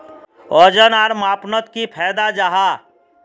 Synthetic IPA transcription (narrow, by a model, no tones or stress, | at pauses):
ɔd͡ʒənaːɾmaːpnət̪kipʰɛːd̪ad͡ʒaɦa